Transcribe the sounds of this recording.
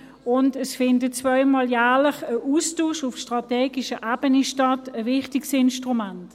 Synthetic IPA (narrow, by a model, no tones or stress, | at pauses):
ʊndəsfɪndət͡svœʏmɔːljæːləχəʔuːstuːʃʊfʃtʁ̥ɑtɛːɡiʃəʔab̥əniʃtɑtəvɪχtɪksɪnʃtʁumant